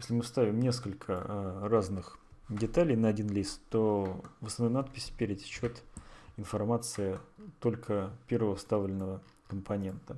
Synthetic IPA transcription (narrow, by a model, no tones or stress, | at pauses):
jesʲlʲɪmɨfst̪avʲɪmnʲe̞skəlʲkʰəraznɨx | dʲɪt̪alʲɪjnəɐdʲinlʲist̪t̪ːovɨsɨnat̪̚pʲɪsʲpʲeɾʲɪd̪ʲt͡ɕːot̪ɪnfɐrmat̪sɨɪt̪o̞lʲkʰəpʲe̞rvəvəfst̪avlʲɪnːəvə | kəmpʰɐnʲe̞nt̪ə